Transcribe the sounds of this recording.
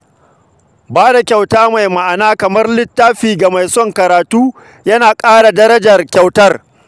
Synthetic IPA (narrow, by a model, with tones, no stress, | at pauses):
baː˦da˨kʲa˨wtaː˦ma˨jma˨ʔa˨naː˦kɐ˨mɐ˦rlɪ˦tːaː˦ɸiː˨ɡa˨ma˨jsɔ˦ŋkɐ˨ɾaː˨tuː˦ | jɐ˦naː˨kʼaː˦ɽa˨dɐ˦ɾɐ˦d͡ʒɐ˨rkʲa˨wtɐ˦r